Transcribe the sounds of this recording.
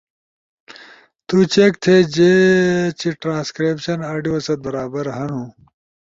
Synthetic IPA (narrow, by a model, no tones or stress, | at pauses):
t̪ut͡ɕek̚t̪ʰed͡ʑet͡ɕiʈɾãːskɾeːpɕɐnaːɖijoːsɐt̪̚bɐɾaːbɐɾɦɐnũ